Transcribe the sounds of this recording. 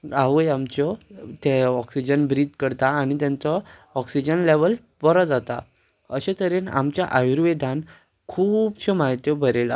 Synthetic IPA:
aʋəjamt͡ɕɔt̪eɔksid͡ʑənbɾiːd̪kəɾt̪aːñit̪jãnt͡sɔɔksid͡ʑənleʋəl | pɔɾɔd͡zat̪a̰ | əɕet̪əɾena̰mt͡ɕja̰ʔajuɾʋed̪ʱan | kʰuːbɕemaɦit̪jɔbʱəɾela̰

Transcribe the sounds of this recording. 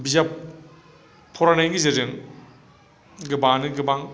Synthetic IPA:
bizap | pʰːɔɾanajŋɡizeɾeŋ | ɡɯbanɯɡɯbaŋ

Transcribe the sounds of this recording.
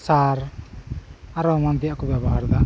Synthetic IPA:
saɾ | aɾɔmand̪ijakubjabɔɦaɾd̪a

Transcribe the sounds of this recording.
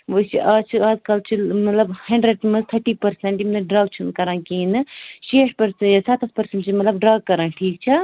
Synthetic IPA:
ʋot͡ʃʰiʔaːt͡ʃʰiaːd̪kɐlt͡ʃʰimɐt̪lɐbhɐɳɖɾeɖmɐzt̪ʰɐʈiːpɐɾseɳʈjimt̪ɐɖɾaːɡ̚t͡ʃʰunkɐɾãːkiːnɨʃeːʈ̚pɐɾsejɐsɐt̪ɐspɐɾsɐɳʈt͡ʃʰimɐt̪lɐbɖɾaːɡ̚kɐɾãːʈʰiːk̚t͡ʃʰa

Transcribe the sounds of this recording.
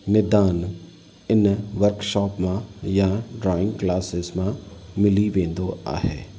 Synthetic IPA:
mɪd̪aːn | ɪnʋəɾkʃɔːpmãjãɖɾɔːɪ̃ŋɡklaːsɪzmãmɪliʋẽːnd̪oa̰ːɦḛː

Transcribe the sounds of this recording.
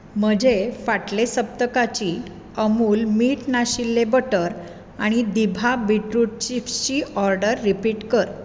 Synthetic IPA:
m̤əd͡ʑefaʈlesəp̚t̪əkat͡ɕi | əmuːlmiːʈnaɕilːebəʈəɾ | aɽ̃id̪ibʱabiʈɾuʈ̚t͡ɕift͡ɕiɔɾɖəɾːipiːʈkəɾ

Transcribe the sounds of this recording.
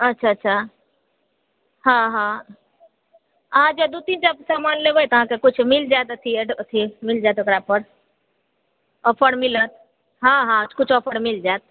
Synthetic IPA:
ətːʃʰaətːʃʰa | ɦãɦã | əɦãd͡ʒed̪ut̪ind͡ʒəbsamanlebəjt̪əɦãkekut͡ʃʰmild͡ʒaet̪ət̪ʰieɖət̪ʰimild͡ʒajt̪okɾapəɽ | ɔpʰəɽmilət̪̚ | ɦãɦãkut͡ʃʰɔpʰəɽmild͡ʒat̪̚

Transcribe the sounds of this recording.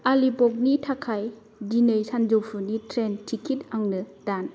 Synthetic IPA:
alipɔk̚nitʰakʰaj | dinɯjsʰand͡ʒowpʰunitʰɾentʰikit̚aŋnɯd̥an

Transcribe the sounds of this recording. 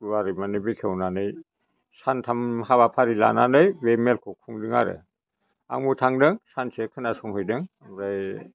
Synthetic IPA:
uwaɾimanɯbikʰewnanɯj | santʰamhaβapʰaɾila̰nanɯjbemelkʰɔkʰuŋdɯŋaɾɯ̰ | a̰ŋmutʰaŋdɯŋsansekʰɯnasɔŋhɯjdɯŋ | mɾaj

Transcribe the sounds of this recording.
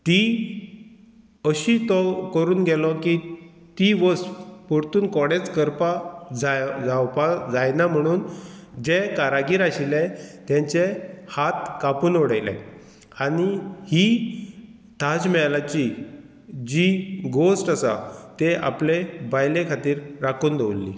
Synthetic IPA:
t̪i | əɕit̪ɔkəɾuːnɡɛlɔki | t̪iʋəspɔɾt̪uːnkɔɽet͡skəɾpad͡zad͡zawpad͡zajnam̤əɽ̃uːnd͡ʑekaɾaɡiːɾaɕilɛt̪jãɲt͡ɕehat̪kapuːnoɽajlɛ̰ | aɽ̃ihi | t̪ʰad͡zmɛɭlat͡ɕi | d͡ʑiɡosʈasa̰t̪ea̰plebajlekʰat̪iːɾɾakʰuːnd̪eʋlːḭ

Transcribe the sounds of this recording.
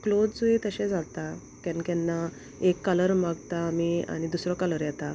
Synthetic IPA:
klod͡zd͡zuet̪əɕẽd͡zat̪a | kɛ̃nkɛ̃nːa | ekːələɾmaɡt̪aːmia̰ɽ̃id̪usɾɔkələɾjɛt̪a

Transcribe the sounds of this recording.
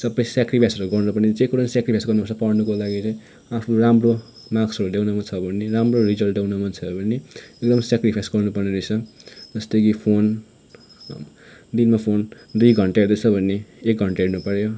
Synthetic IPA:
sʌbʌjsjakripʰajsʌɾuɡʌrnɾʌpʌnet͡sekuɾʌnisjakripʰajsɡʌrnupʌɾsʌpʌrnukolaɡit͡sʌj̃ | apʰɾuramro | maksʌɾuljawnʌmant͡sʰʌbʱʌnːeɾamrorid͡zʌlʈɖjawnʌmʌnt͡sʰʌbʱʌneek̚d̪ʌmsakripʰajsɡʌrnupʌrneɾʌt͡sʰʌd͡zʌst̪ʌkipʰon | d̪inmapʰond̪ujɡʱʌɳʈaeɾd̪ʌt͡sʰʌbʱʌnːeːk̚ɡʱʌɳʈaeɽnupʌɾjo

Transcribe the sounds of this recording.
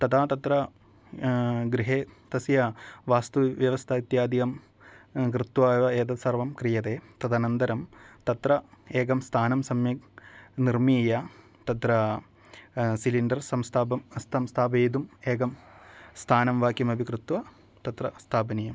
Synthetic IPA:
t̪ɐd̪ʰaːt̪ɐt̪ɾɐ | ɡɾiɦeːt̪ɐsjɐʋaːst̪uʋjɐʋɐst̪ʰɐit̪jaːd̪ikɐm | kɾɨt̪ʋaːʋɐeːd̪ɐsɐrʋɐmkɾijɐt̪eːt̪ɐd̪aːnɐnd̪ɐɾɐmt̪ɐt̪ɾɐeːɡɐmst̪ʰaːnɐmsɐmjɐknirmija | t̪ɐt̪ɾɐ | siliɳɖɐrsɐmst̪ʰaːbɐmst̪ʰɐmst̪ʰaːbeːd̪umeːɡɐmst̪ʰaːnɐmʋaːkjɐmɐbʱikɾɨt̪ʋɐ | t̪ɐt̪ɾɐst̪ʰaːpɐnijɐm

